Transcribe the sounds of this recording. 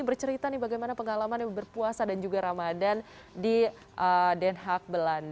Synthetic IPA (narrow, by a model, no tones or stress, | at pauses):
ibərt͡ʃəɾit̪anɪhbaɡajmanapəŋalamanabərpuasadand͡ʒuɡaɾamadan | di | ʔədɛnɦak̚bəlan